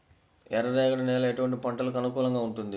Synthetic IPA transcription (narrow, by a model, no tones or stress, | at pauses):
ɛɾɐɾɛːɡɐɳɐnɛːlɐeʈuʋɐɳʈ̬ipɐɳʈɐlukɐnukuːlɐŋɡaːuɳʈund̪i